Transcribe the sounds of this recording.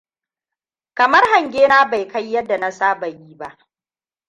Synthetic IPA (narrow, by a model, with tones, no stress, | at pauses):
kɐ˨mɐ˦rha˨ŋɡʲeː˦naː˦ba˨jka˦jːɐ˦dːa˨na˦saː˦ba˨jiː˦ba˦ʔ